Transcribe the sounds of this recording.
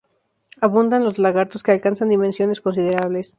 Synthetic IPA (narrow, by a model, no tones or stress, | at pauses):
aβund̪anlo̞zlaɣaɾt̪o̞skealkansand̪imensjo̞ne̞sko̞ns̬iðe̞ɾaβ̞le̞s